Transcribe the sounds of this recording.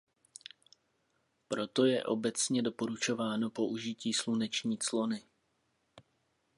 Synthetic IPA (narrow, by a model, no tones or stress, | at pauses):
pɾo̞t̪o̞jɛʔo̞̰bɛt͡sɲɛdo̞po̞ɾut͡ʃo̞vaːno̞po̞ʔuʒɪciːslunɛt͡ʃɲiːt͡slo̞nɪ